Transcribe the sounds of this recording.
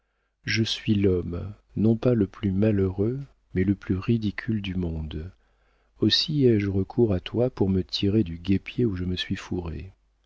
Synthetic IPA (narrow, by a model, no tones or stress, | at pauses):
ʒəsɥilɔm | nɔ̃paləplymaləʁø | mɛləplyʁid̪ikʲʰyld̪ymɔ̃d̪ | osiɛʒʁəkʰuʁat̪wapuʁmət̪ʰiʁed̪yɡʲepjeuʒəməsɥifuʁḛ